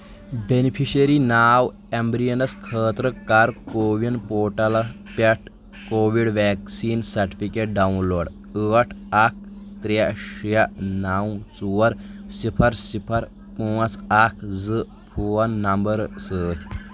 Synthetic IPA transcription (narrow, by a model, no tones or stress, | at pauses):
benipʰiɕɐɾinaːw | embɾijɐnɐskʰəːt̪ɾəkaɾkoːʋinpoːʈɐlɐpɐʈʰ | koːʋiɽʋɛːksiːnsɐɾʈi̥fʰikeʈ̚ɖaunloːɽ | əːʈʰak̚ʰ | t̪ɾaʂijaʔnaːw̃t͡suʋɐɾsipʰɐɾsipʰɐɾ | puːɐt͡sakʰd͡zɨ | pʰuwɐnːɐmbɐɾsəːt̪ʲʰ